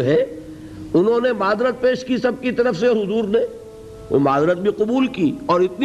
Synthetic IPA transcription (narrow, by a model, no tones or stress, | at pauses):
ɦɛ | ʊnɦõnemaːd̪ɾət̪̚peːʃkisɐb̚kit̪ɐɾəfseɔːɾɦʊzuːɾnḛ | maːd̪ɾət̪̚bʱiqʊbuːlkiːɔːɾɪt̪ni